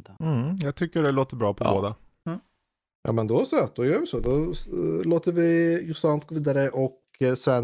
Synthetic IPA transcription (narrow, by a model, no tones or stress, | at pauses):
m̩jæɪt̪ʰʏkːəɖɛloːt̪əɾbɾɑːpʰɔbo̰ːd̪ə | jʔɑ̰ːmɛnd̪ɔsɔɑd̪ɔjøːɾʋɪsɔd̪ɔloːt̪əɾʋɪjʊsɑnt̪kɔʋiːd̪aɾəʔɔk | sɛn